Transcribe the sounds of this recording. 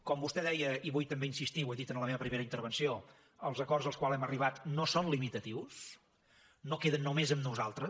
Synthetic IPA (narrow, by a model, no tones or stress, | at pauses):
kɔmbust̪ɛðɛjəiβujt̪əmbeinsist̪iweðit̪ənləmeβəpɾimeɾəint̪əɾβənsio | əlˠzəkɔrzəlˠskwalˠɛməriβ̞at̪nosonlimit̪ət̪iws | nokeðənːomezəmnuzalˠt̪ɾə